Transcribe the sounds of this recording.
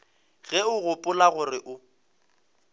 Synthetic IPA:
ɣɛʊɣʊpʼʊlaɣʊrɪʔʊ

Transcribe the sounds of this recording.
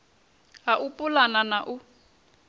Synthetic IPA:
ɦaʔupʼulananaʔu

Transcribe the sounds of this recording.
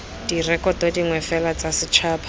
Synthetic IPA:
d̥irɛkɔtodiŋwɛfɛlat͡sasɪt͡ʃʰaːpʰḁ

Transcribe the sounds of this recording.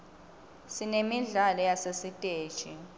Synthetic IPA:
sinemiɮalɔjasesitʼe̥ːt͡ʃʼi

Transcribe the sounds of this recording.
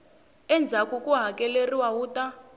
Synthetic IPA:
ɛnd͡zʱakukʼuɦakʼɛleriwawuːta

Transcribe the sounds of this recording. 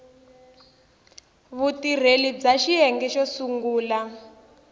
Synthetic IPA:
βutir̤elid͡zaʃijɛŋɡɛʃɔsuŋɡuːla

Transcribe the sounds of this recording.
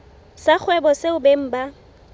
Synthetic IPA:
sak͡xʰwɛbɔseʊbeŋ̩ba

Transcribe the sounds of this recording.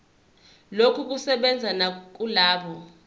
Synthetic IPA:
lokʰuk̬usɛɓɛnd͡zʱanak̬ulaːɓɔ

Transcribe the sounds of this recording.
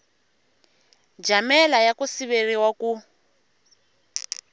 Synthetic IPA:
d͡ʒamɛlajakusiβeriwaku

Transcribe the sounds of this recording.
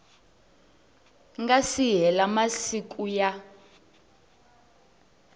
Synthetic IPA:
ŋɡasiɦɛlamasikuja

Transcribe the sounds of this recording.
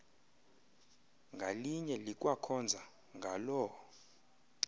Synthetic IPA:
ŋɡʱaliɲɛlik̬ʼwakʰɔnd͡zʱa | ŋɡʱalɔ

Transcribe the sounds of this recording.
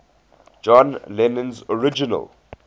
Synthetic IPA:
d͡ʒɔ̃nlɛnə̃nzɔɹɪd͡ʒinə̰l

